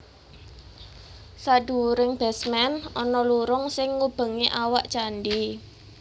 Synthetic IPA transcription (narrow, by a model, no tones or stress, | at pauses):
saɖṳɾɪŋb̥ɛsmɛnɔnɔluɾʊŋsɪŋːub̥ə̤ŋiʔawaʔt͡ʃanɖi